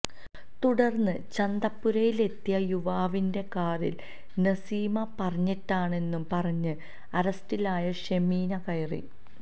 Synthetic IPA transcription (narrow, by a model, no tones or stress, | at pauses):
t̪uɽɐrnːɨt͡ɕɐnd̪ɐpːuɾɐjile̞t̪ːijɐjuʋaːʋinde̞kaːrḭl | nɐsiːmɐpɐrɐɲːiʈːaːɳe̞nːumpɐrɐɲːɨ | ɐɾɐstilaːjɐɕemiːnɐkɐjɐrḭ